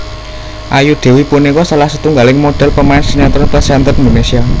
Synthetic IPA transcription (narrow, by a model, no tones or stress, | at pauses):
ʔajuɖ̪̥e̤wipunikɔsalahsət̪uŋɡalɪŋmoɖ̥ɛ̤lpəmaɪnsiɲant̪ɔnpəsiant̪ərnd̪onesia